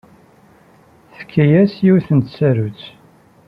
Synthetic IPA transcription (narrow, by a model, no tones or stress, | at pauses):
θə̥kʰːæjæsjiwθənt̪sæɾut͡s